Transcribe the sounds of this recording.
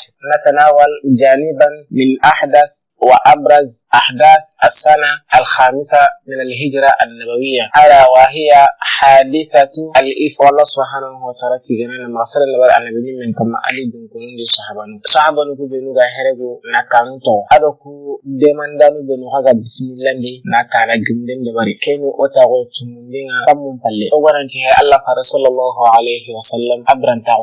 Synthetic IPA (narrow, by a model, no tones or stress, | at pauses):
natanawald͡ʒanibanːinʔaħdaθ | waʔabɾazaħdaθasːanaalxaːmisaminalɦid͡ʒɾaʔanːabawijahadawaɦijahadiθatualʔifalːasubɦaːnawatalatiɡananamaɣsadanːabawia̰nːabawiminkamːa̰ʔa̰liduŋkunindisahabanusahabanukubenuɡaɦeɾeɡunakanũtɔɡɔadɔkudɛmãndanubenũkakabisimĩlãdinakalaɡimidẽndɔbaɾḭkenĩʔotaɡotũŋũndẽŋkakamũpalːeoɡanãtɛɛʔalːafaɾasɔlːalːaɦualeɦiwasalːamabiɾãntao